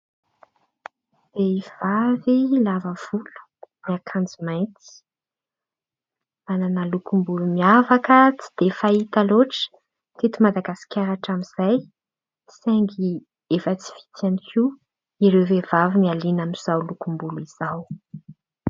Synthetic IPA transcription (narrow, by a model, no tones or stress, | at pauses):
v̥ev̥avilavəv̥ulu̥miakʰand͡zimajnt̪i̥ | ananəlukumbulumiavakət͡si̥d̪̥efait̪aloʈ͡ʂ | t̪et̪umad̪aɡasi̥kʲaɾaʈ͡ʂamiz̥aj | seŋɡi | efət͡si̥vi̥t̪ianikʲʰi | iɾewvevavimialinamiz̥awlukumbuliz̥aw